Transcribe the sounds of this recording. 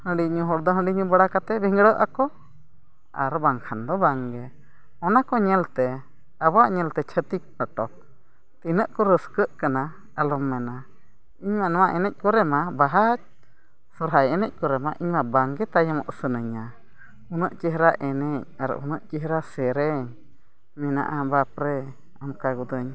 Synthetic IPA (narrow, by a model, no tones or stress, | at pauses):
hə̃ɖiɲuɦɔɽd̪ɔɦə̃ɖiɲũbəɽakat̪ɛbiŋɡɽəʔa̰kɔ | a̰ɾbaŋkʰand̪ɔbaŋɡɛ | ɔnakɔɲɛlt̪ɛ | abaʔɲɛlt̪ɛt͡ʃʰət̪ik̚pəʈɔk̚ | t̪inəʔkɔɾəskəʔkana | alɔmːɛna | iɲmanɛwaʔɛnɛc̚kɔɾɛmabaɦat͡ʃ̚ | sɔɾɦajɛnɛc̚ˀkɔɾɛma̰ʔiɲmabaŋɡɛt̪ajamɔ̰ʔsənəɲa | unəʔt͡ʃiɦɾaʔɛnɛc̚aɾə̰ʔunəʔt͡ʃiɦɾasɛɾɛɲ | mɛna̰ʔabapɾɛ | amkaɡud̪əɲ